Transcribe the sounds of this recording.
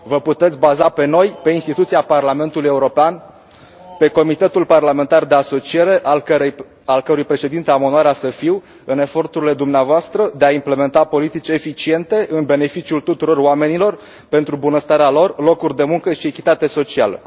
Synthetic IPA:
vəput̪et̪sʲbazape̞no̞jpe̞inst̪it̪ut̪siaparlame̞nt̪uluje̞uɾo̞pean | pe̞ko̞mit̪e̞t̪ulparlame̞nt̪ard̪e̞aso̞t͡ʃie̞ɾe̞ʔ | alkəɾujpɾe̞ʃe̞d̪int̪eamo̞noaɾasəfiw | ɨne̞fo̞rt̪uɾile̞d̪umneavoast̪ɾəd̪e̞aimple̞me̞nt̪apo̞lit̪it͡ʃʲe̞fit͡ʃie̞nt̪e̞ʔɨnbe̞ne̞fit͡ʃiult̪ut̪uɾo̞roame̞nilo̞r | pe̞nt̪ɾubunəst̪aɾealo̞rlo̞kurʲd̪e̞muŋkəʃiekʲit̪at̪eso̞t͡ʃialə̰

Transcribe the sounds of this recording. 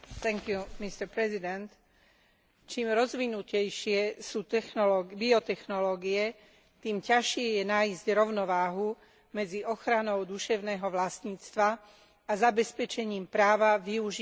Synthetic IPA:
t̪ɛŋkjumist̪ɛɾpɾɛzid̪ɛnt̪ | t͡ʃiːmɾɔzʋinucɛjʃɪɛsuːt̪ɛxnɔlɔɡbiɔt̪ɛxnɔlɔːɡiɛ | t̪iːmcaʃɪɛjɛnaːizɟɾɔʊnɔʋaːɦu | mɛd͡ziʔɔxɾanɔʊd̪uʃɛʊnɛːɦɔʋlast̪ɲiːt͡st̪ʋa | azabɛspɛt͡ʃɛɲiːmpɾaːʋaʋiuʒi

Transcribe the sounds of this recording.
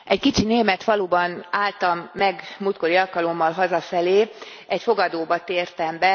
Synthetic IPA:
ɛckit͡ʃineːmɛt̪fɒluːbɒnaːlt̪ɒmːɛɡmut̪ko̞ɾiɒlkɒlo̞mːɒlɦɒzɒfɛleː | ɛcfo̞ɡɒd̪oːbɒt̪eːrt̪ɛmbɛ

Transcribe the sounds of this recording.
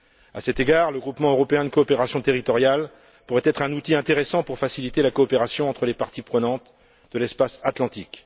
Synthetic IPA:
asɛt̪eɡaːʁləɡʁupmɑ̃øʁɔpeɛ̃d̪əkɔːpeʁasjɔ̃t̪eʁit̪ɔʁjal | puʁɛt̪ɛt̪χɛ̃nut̪iɛ̃t̪eʁesɑ̃puʁfasilit̪elakɔːpeʁasjɔ̃ɑ̃t̪χəlepaʁt̪ipχənɑ̃t̪ | d̪əlɛspasat̪lɑ̃t̪ik

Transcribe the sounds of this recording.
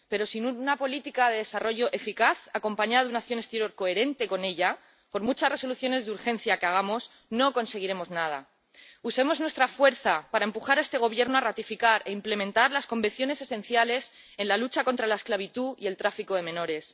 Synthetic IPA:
pe̞ɾo̞sinunapo̞lit̪ikaðe̞ðe̞saro̞ʝo̞ʔe̞fikaθako̞mpaɲaðaðunakθjo̞ne̞st̪e̞ɾjo̞ɾko̞e̞ɾe̞nt̪e̞ko̞ne̞ʎa | po̞ɾmut͡ʃasre̞so̞luθjo̞ne̞zðuɾxe̞nθjakeaɣ̞amo̞s | no̞ko̞nse̞ɣ̞iɾe̞mo̞znað̞a̰ | use̞mo̞znwe̞st̪ɾafwe̞ɾθapaɾaempuxaɾe̞st̪e̞ɣ̞o̞β̞je̞ɾnoarat̪ifikaɾʔe̞imple̞mẽ̞nt̪aɾlasko̞mbenθjo̞ne̞se̞sẽ̞nθjale̞s | e̞nlalut͡ʃako̞nt̪ɾalae̞sklaβ̞it̪uḭe̞lt̪ɾafiko̞ðe̞mẽ̞no̞ɾe̞s

